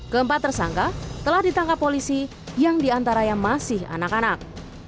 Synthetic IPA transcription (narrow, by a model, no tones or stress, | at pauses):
ɡəmpat̪ːərsaŋkat̪əlahdit̪aŋkapːolisi | jaŋdiant̪aɾaɲamasɪha̰nakanak̚